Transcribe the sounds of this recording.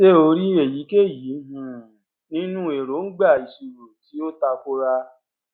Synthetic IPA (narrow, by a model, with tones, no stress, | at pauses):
ʃe˦o˧ɾi˦e˨ji˨˦ke˦˨ji˨˦ɦũ˧˦˨ | nĩ˦nũ˦e˨ɾo˨˦ŋ̩˦ɡ͡ba˦˨i˨su˨ɾo˨ti˨˦o˦ta˧ko˦ɾa˧